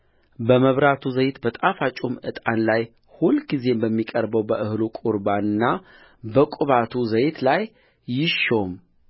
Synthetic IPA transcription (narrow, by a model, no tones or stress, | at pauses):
bəməβɾat̪ʰuzəjt̪bət̪ʼafat͡ʃʼumɨt̪ʼanlaj | hulɡize̞mbəmːikʼəɾbəwbəʔɨhlukʼuɾbaɨnːa | bəkʼʊβat̪ʰuzəjt̪ʰlajː | ɪʃo̞m